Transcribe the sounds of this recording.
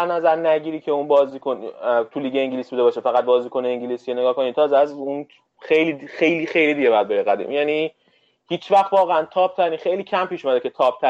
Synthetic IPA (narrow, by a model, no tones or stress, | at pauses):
æɾnæzæɾnæɟiːɾiːcʰeunbɒːziːkʰont̪ʰuliːɟeeŋɟilisbud̪ebɒːʃefæɣæt̪̚bɒːziːkʰo̞neeŋɟilisieneɡɒːhkoniːd̪t̪ʰɒːzeæzun | xejlixe̞jlixe̞jliːd̪iɟeɒjæd̪be̞ɾeɣæd̪ḭːmjæːni | hiːt͡ʃʰvæxt̪vɒːɣeænt̪ʰɒːp̚t̪ʰæɾiːnxejliːcʰæmpiːʃumæd̪ecʰet̪ʰɒːp̚t̪ʰæ